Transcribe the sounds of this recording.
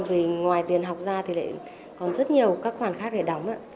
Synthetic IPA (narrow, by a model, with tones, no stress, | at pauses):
vi˨˩ŋwaː˨˩jt̪i˨˩ənɦa˨˩wk͡p̚zaː˧t̪ʰi˨˩la̰ː˧˨j | kɔ˨˩nzə˦˥t̚ɲi˨˩əwkaː˦˥k̚xwaː˧˩nxaː˦˥k̚ɗe˧˩ɗa˨˦wŋ͡mʔaː˧˥